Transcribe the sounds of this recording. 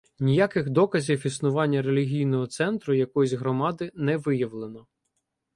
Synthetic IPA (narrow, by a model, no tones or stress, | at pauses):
nʲijakɪxd̪ɔkɐzʲiwisnʊʋɑnʲːɐɾe̞lʲiɦʲijnɔɦɔt̪sɛnt̪ɾʊjɐkɔjzʲɦɾɔmɑd̪ɪnɛʋɪjɐʋlˠenɔ